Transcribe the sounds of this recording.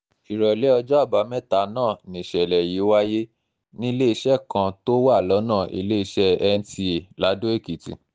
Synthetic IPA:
i˨ɾɔ˨lɛ˨˦ɔ˧d͡ʒɔ˦a˦˨ba˨˦mɛ˦˨ta˨˦nãː˦˨nĩ˨ʃɛ˨lɛ˨ji˨˦wa˦je˦ | nĩ˦i˦˧le˦i˧ʃɛ˦˨kã˧to˦wa˦˨lɔ˨˦nãː˦˨ʔḭ˧le˦i˧ʃɛ˦ɛ˧n̩˦ti˧e˨la˨˦do˦e˦˨ki˨tḭ˨

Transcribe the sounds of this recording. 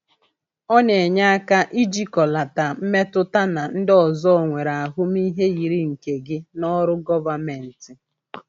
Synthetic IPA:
ɔ˦ne˨ɲa˦a˦ka˦ʔi˦d͡ʒi˦kɔ˨la˨ta˨m̩˦me˦tʊ˦ta˦na˨n̩˦dɔ˨zɔ˦˨ŋʷe˨ɾa˨a˨ɦʊ˦m˦i˦ɦe˦ji˨ɾi˦ŋ̩˨ke˨ɡɪ˦nɔ˦ɾʊ˦ɡɔ˦va˨me˨n̩˨tɪ˨

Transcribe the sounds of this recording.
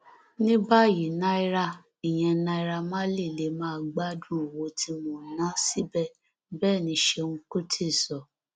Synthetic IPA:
nĩ˦ba˦˨ji˨nã˧i˧˦ɾa˧ | i˨j̃ɛ̃˧nã˧i˧ɾa˧mã˦li˦˨le˨˦mãː˦˧ɡ͡ba˦dũ˦˨wo˧˦tʰi˧˦mõː˧˨nã˦si˦bɛ˦˨ | bɛː˦˨nĩ˧˦ʃe˧wũ˧ku˦tʰe˦˨sɔ˨

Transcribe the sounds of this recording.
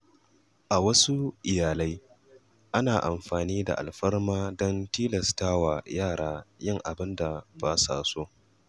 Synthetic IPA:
ʔa˨wɐ˦su˦ʔɪ˨jaː˨la˦j | ʔa˦naː˨ʔa˨mɸaː˨niː˦da̰˨ʔa̰˨lɸɐ˦rmaː˦dɔ˦ntiː˦lɐ˨staː˦wa˨jaː˦˨ɽaː˦jɪ˦˨ŋʔa˨bɪ˦nda˨baː˦sa̰ː˨so˦ʔ

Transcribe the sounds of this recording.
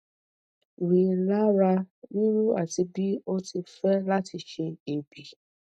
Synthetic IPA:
ɾi˨la˦ɾa˦wi˦ɾu˦a˨ti˨bi˦o˦ti˨fɛ˦la˦tɪ˨ʃe˦e˨bi˨

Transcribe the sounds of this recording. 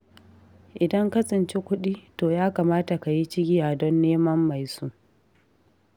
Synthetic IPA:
ʔɪ˨dɐ˦ŋka˦sʼɪ˨nt͡ʃe˦kʷʊ˦ɗiː˦toː˨jaː˦kaː˨maː˦ta˨ka˨ji˦t͡ʃɪ˦ɡʲɪ˦jaː˨dɔ˦nːeː˦mɐ˦mːa˨jsu˦ʔ

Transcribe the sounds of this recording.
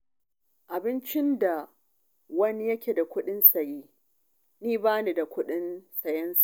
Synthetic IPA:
ʔa˨bɪ˦nt͡ʃɪ˦nda˨ | wɐ˦ni˦jɐ˦kʲeː˨da˨kʷʊ˦ɗɪ˦nsa˨jiː˦ | niː˦baː˦niː˨da˨kʷʊ˦ɗɪ˦nsɐ˨jɐ˦nsḁ˨

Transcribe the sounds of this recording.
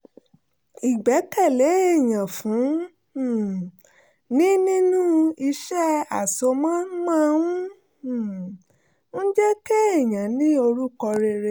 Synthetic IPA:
i˨ɡ͡bɛ˨˦kɛ˦˨le˨˦e˦˨j̃ã˨fũ˨˦˨ | nĩ˦nĩ˦nũ˦i˧ʃɛ˦a˨so˧mãː˦n̩˦mã˦wũ˦˨ | n̩˦d͡ʒɛ˦ke˦e˦˨j̃ã˨nĩ˦o˧ɾu˦kɔ˧ɾe˧ɾe˧

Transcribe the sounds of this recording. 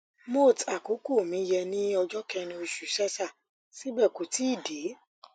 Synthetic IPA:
mo˦˨ta˨ko˨˦ko˦˨mĩ˨˦jɛ˧nĩ˦ɔ˧d͡ʒɔ˦kɛ˧nĩ˧o˧ʃu˨˦sɛ˦sa˦˨ | si˦bɛ˦˨ko˨ti˨˦i˦˨de˨˦

